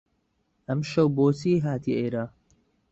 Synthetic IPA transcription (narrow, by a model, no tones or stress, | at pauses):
ʔɐmʃɐwboːsiːɦaːt̪ʰiʔeːɾaː